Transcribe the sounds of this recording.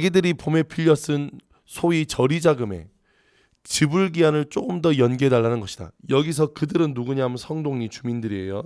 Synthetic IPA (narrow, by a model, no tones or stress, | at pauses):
ɡidɯɾipome̞pʰiʎːʌs͈ɯn | sʰoit͡ɕʌɾid͡ʑaɡɯme̞̰ | t͡ɕibɯɭɡianɯɭt͡ɕ͈oɡɯmdʌjʌnɡedaɭːanɯnɡʌɕʰi̥d̥a̰jʌɡis̬ʰʌkɯdɯɾɯnːuɡuɲaɦamsʰʌŋdoŋɲit͡ɕumindɯɾie̞̰jo